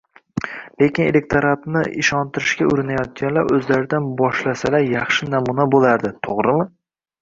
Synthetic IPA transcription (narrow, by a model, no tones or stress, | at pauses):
le̞kʲɪnelek̚t̪oɾat̪nɪ̰ʔɪʃɒnt̪ʰɪɾɪʃkʲaʊɾɪnajɒt̪̚kʲanlaɾɵzlaɾɪd̪anbɒʃlasalaɾjɑχʃɪnamunabolaɾd̪ɪt̪ʰoʁɾɪmɪ